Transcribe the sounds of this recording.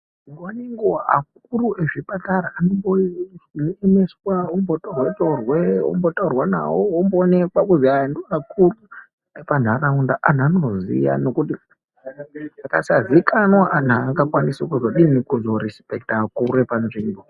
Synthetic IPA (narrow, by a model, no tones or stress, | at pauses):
iŋɡaneŋɡoɦa̰k̚urueʐipataɾaːnombo | emeswaombotorwetorweo̰mbo̞taurwana̰woːmboːne̞kwakuzandoakuru | epan̤araundaʔanano̞zḭja̰no̞kuti | akasazikanwaʔan̤aŋɡakwanisekuzo̞ɗinikuzo̞ɾispek̚takuruepanʐiːmbo